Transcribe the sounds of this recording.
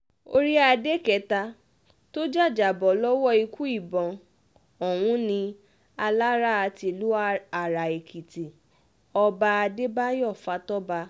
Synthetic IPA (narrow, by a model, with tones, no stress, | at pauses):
o̰˦ɾi˦a˧de˦kɛ˨˦ta˧ | to˦d͡ʒa˦˨d͡ʒa˨bɔ˨˦lɔ˦wɔ˦i˧ku˦i˦˨bɔ̃˨ | ɔ˨w̃ũ˧˦nĩ˧ | a˧la˦ɾa˦a˧ti˧lu˦a˨ɾa˨e˨kʰi˨ti˨ | ɔ˧ba˧a˧de˦ba˦jɔ˦˨fa˧˦tɔ˦ba˧